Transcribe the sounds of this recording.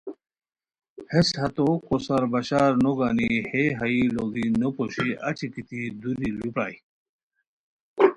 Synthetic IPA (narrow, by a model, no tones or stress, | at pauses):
heshɐt̪okosɐɾbɐɕaːɾnoɡaniheɦɐiloɡinopoɕiʔɐ̰t͡ɕikit̪ʰid̪udilupɾa̰ːi